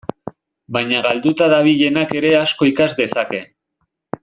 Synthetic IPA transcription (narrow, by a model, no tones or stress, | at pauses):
bajɲaɣald̪ut̪aðaβ̞iʎe̞nake̞ɾe̞asko̞ikazd̪e̞sake̞